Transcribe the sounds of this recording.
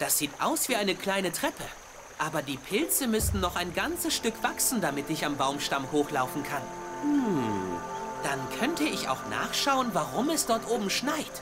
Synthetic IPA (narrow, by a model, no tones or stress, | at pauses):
d̥asz̥iːtʔa̰ʊsv̥iːʔaɪnəkl̥aɪnətʁ̥ɛpʰə | ʔaːbɐdiːpʰɪlt͡səmʏstn̩nɔχaɪnɡant͡səsʃtʏkv̥aksn̩damɪtɪçambaʊmʃtamhoːxlaʊfn̩kʰan̩ | d̥ankʰœntəɪça̰ʊxna̰ːχʃaʊənvaʁʊmɛsd̥ɔɐtʔoːbm̩ʃnaɪt